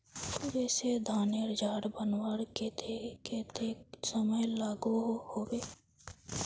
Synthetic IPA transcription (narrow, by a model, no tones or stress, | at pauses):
ʊd͡ʒɛːsed̪ʱaːneɾɪd͡ʒaːɖbənwaːɽket̪ʰekeːt̪esəməjlaːɡuɦhoːweː